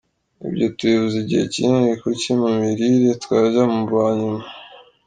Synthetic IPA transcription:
ḭbɟotuiβuziɟihḛcinɾikucemumiɾiɾetwaːʒamuβaːɲuma

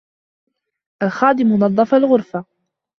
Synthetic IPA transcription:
ʔalxaːd̪ɪmʊnɑðˤːɑfalɣʊɾfa

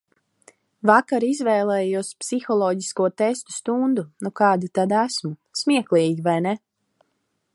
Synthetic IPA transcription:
vakaɾizvɛːlˠɛːjuɔspsixɔlˠɔːɟiskuɔt̪ɛst̪u̥st̪und̪unukɑːd̪it̪ad̪æsmusmʲiɛklˠiːɡʲivajnɛ

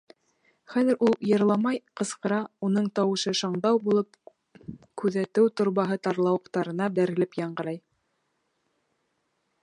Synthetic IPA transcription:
χæðɘ̆ɾʔulˠjɤ̆ɾlˠɑmɑjqɤ̆sqɤ̆ɾɑun̪ɤɴt̪ɑwɤ̆ʃɤʃɑɴd̪ɑwbulˠɤp | kʉðæt̪ɘwt̪ŏɾβɑɦɤt̪ɑɾlˠɑwɤ̆qt̪ɑɾɤ̆nɑd̪æɾɘ̆lɘpjɑɴɢɤ̆ɾɑj

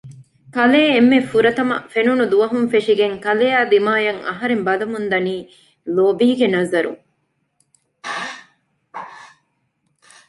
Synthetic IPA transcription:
kɐleːmːefuɾɐt̪ɐmɐ̰fenunud̪uʋɐɦunfeʂiɡeŋkɐleaːd̪imaːjɐŋɐ̰ɦɐɾembɐlɐmund̪ɐniː | loːbiːɡenɐzɐɾṵŋ

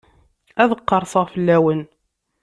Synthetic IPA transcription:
æðəqːɑɾˤsˤəʁfəlːæwən

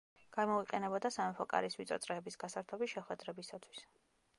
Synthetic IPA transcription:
ɡ̥amɔiqʼɛnɛbɔd̪asamɛpʰɔkʼa̰ɾiswit̪sʼɔ̰t̪sʼɾɛːbisɡasaɾt̪ʰɔbisʃɛχwɛd̪ɾɛbisat̪ʰwi̥s

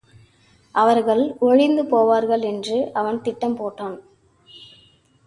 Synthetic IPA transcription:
ʔɐʋɐɾɣɐɭɔɻɪnd̪ɯpoːʋaːɾɣɐɭɛndrɯʔɐʋɐnt̪ɪʈːɐmpoːʈːaːn

